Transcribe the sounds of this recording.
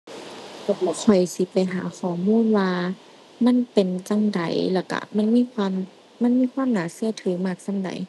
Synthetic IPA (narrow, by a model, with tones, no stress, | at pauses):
lːkʰɔ˨˩jsi˧˦pa˨jɦaː˨˦xɔː˨˩˦muː˧˥˨nwaː˧ | ma˧˥˨npe˨nt͡ɕa˧˨ŋda̰˨˦jlɛː˧˩wka̰˧˩ma˧˥˨nmiː˧˥˨kʰwaː˧˥˨mː | a˧˥˨nmiː˧˥˨kʰwaː˧˥˨mnaː˨˦sɯ˧˩˨ɐt̪ʰɯː˨˦maː˧˩k̚sa˧˨da̰˨˩j